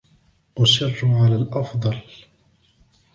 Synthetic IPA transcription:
waʃɑrˤːʊʕalalʔɑfd̪ˤɑl

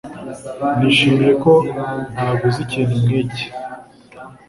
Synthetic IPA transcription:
niʃiːmijekonaɡuzicenimŋece̥

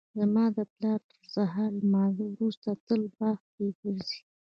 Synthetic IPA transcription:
d̪əmɑd̪əplɑɾpəɾsaɦalmɑziwɾust̪at̪əlbɑx | eɡəɾzi̥

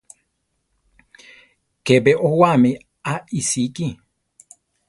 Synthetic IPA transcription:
kebeʔowami | aisiki

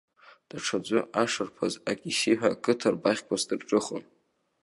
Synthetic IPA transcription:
d̥aʈ͡ʂʰad͡ʒʷʊaʂarpʰazakʲʼisiħʷᶣakʼɨtʰarbaχʲkʷʰazdɨrʈ͡ʂʼɨχən

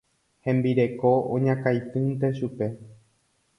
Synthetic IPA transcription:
hẽ̞mbiɾe̞ko̞õ̰ɲãkajt̪ɨnt̪e̞ʃupe̞

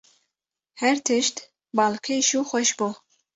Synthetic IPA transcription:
hɛɾt̪ʰɨʃt̪ | bɑːlkʰejʃuːxʷɛʃbuː

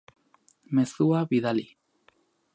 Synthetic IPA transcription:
me̞suaβiðali

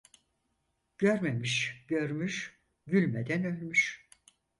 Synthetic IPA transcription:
ɟ̥øɾmemiʃɟø̞ɾmyʃ | ɟylʲmed̪ænø̞lʲmyʃ

